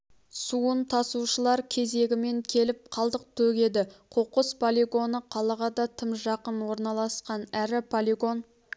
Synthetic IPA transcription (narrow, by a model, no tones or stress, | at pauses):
suənt̪ʰɑsuʃəlˠɑɾkʲʰe̞ze̞ɡʲɪme̞ŋkʲʰe̞lɪp̚qʰɑlˠd̪əq̚t̪ʰɵɡʲe̞d̪ɪqʰoqəspʰolʲiɡo̞nəqʰɑlˠɑʁɑd̪ɑt̪ʰəmʒɑqənwo̞ɾnɑlˠɑsqɑnæɾɪpʰolʲiɡo̞n